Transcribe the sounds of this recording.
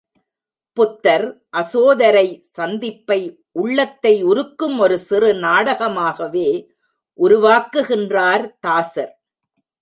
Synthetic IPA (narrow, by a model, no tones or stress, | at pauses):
pʊt̪ːɐɾ | ʔɐsoːðɐɾɐɪsɐnd̪ɪpːɐɪ | ʔʊɭːɐt̪ːɐɪʊɾɯkːɯmɔɾɯsɪrɯnaːɽɐɣɐmaːɣɐʋeː | ʔʊɾʊʋaːkɯɣɪndraːɾt̪aːsɐɾ